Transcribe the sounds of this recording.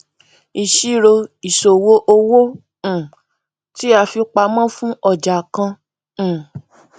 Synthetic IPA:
i˨ʃi˦˨ɾo˧i˨ʃo˨wo˦ʔo˧wõ˦˨ | ti˦a˧fi˧k͡pa˧mã˦fũ˦ɔ˦˨d͡ʒa˨kã˧˦˨

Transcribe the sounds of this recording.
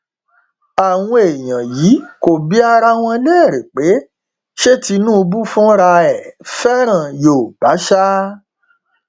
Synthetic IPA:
a˨w̃ɔ̃˧e˨j̃ã˨jiː˨˦ko˨bi˦a˧ɾa˦w̃ɔ̃˧lɛ˦˨ɾe˨k͡pe˨˦ | ʃe˦ti˧nũ˦˧bu˦fũ˦ɾa˧ɛ˨fɛ˦ɾ̃ã˨joː˨b̥a˨˦ʃa˦

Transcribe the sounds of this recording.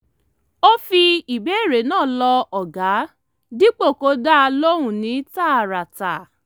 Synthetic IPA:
o˦fi˧i˨be˨˦˨ɾe˨˦nãː˦˨lɔ˧ɔ˨ɡa˨˦ | di˦k͡po˦˨ko˨˦da˦˧lo˦ɾ̃ũ˦˨nĩ˨˦ta˦a˨ɾa˨ta˨

